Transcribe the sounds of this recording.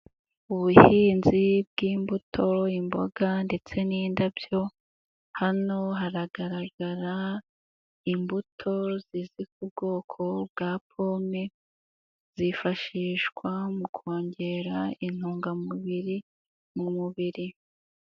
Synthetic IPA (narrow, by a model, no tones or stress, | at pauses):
uβuhiːnzibɡiːmbutʰo̞imbo̞̰ɡande̞t͡se̞niːndabjo̞ | hano̞ɦaɾaɡaɾaɡaɾa | imbutʰo̞zizikub̚ɡo̞ːkʰo̞bɡaːp̚ʰo̞ːme | z̥ifaʃiːʃɡwamukʰoːɲɟe̞ɾain̥huːŋɡamuβiɾi | mumuβiɾi